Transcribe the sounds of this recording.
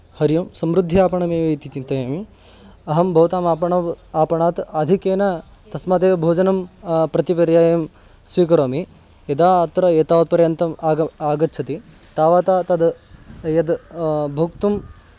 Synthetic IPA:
hɐɾjɐmsɐmɾud̪ʱːiaːpɐɳɐmeːʋɐjt̪it͡ʃint̪ɐjɐːmi | ɐɦɐmbʱɐʋt̪aːmaːpɐɳɐaːpɐɳaːt̪aːd̪ʱikeːnɐ | t̪ɐsmɐd̪eːʋɐbʱoːd͡ʒɐnɐmpɾɐt̪ipɐɾjaːjɐm | sʋiːkɐɾoːmi | jɐd̪aːt̪ɾɐeːt̪aːʋɐt̪̚pɐɾjɐnt̪ɐmːaːɡɐtːt͡ʃʰɐt̪i | t̪aːʋaːt̪aːt̪ɐd̪jɐd̪bʱɐk̚t̪um

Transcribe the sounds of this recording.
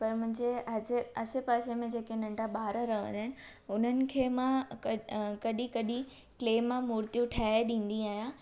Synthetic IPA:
pɐɾmʊ̃ɦɪ̃ɲd͡ʑeɦɐzɪɐsepaːsemẽd͡ʑeːkenɐ̃ɳʈaɓaːɾəɾɐɦʋə̰̃nd̪aɦɪnɪ̆ | ʊn̤ənɪ̆kʰeːmãkɐkɐɗĩkɐɗĩ | kleːmːãmuːɾt̪ijũʈʰaːeɗĩːn̆d̪iaːɦijã

